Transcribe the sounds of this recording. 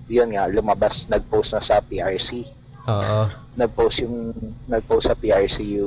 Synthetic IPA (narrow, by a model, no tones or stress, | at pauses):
jonŋalʊmɐbasnɐɡ̚powsnɐsɐpiʔaɹsi | oʔ | nɐɡ̚powsjʊŋnɐɡ̚powsɐpiʔaɹsijʊ